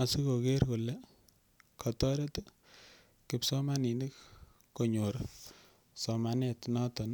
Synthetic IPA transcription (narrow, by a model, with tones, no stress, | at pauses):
a˨si˦ko˨ke˦rku˨le˦ | kʰɔ˨tɔ˦ɾe˦t | kɪpsɔ˦ma˦ni˨ndi˦k | kːo˨ɲo˨ɾ | sɔma˨ne˨tnɔ˦tɔ˨n˦